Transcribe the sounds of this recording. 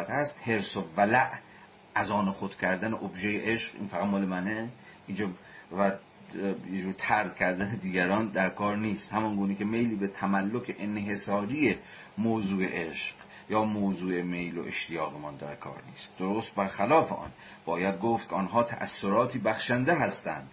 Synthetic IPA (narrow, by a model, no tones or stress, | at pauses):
æt̪hæst̪he̞ɾsovælæʔ | æzɒːnexod̪cʲʰæɾd̪æneʔobʒejeʔeʃɢḭːnfæɣæd̪mɒːlemæne | iːnd͡ʒɒː | væ | jed͡ʒuːɾt̪ʰæɾd̪kʲʰæɾd̪æned̪iːɡæɾɒːnd̪æɾkʰɒːɾniːst̪hæmɒnɡuːnekʲʰe̞me̞jliːbet̪ʰæmælːokʰeʔenɦe̞sɒːɾiːe | moːzuːe̞̰ʔeʃɢ̥ | jɒːmoːzuːe̞me̞jlo̰ʔḛʃt̪ʰejɒːɣemɒnd̪æ̰ɾkʰɒ̰ːɾnḭːst̪̚d̪̥oɾost̪̚bæɾxælɒːfeʔɒ̰ːn | b̥ɒːjæd̪̚ɡoft̪̚kʰeɒːnɦɒːt̪ʰæ̰ʔæsːoɾɒːt̪ʰiːbæxʃænd̪eɦæst̪æ̰nd̪̥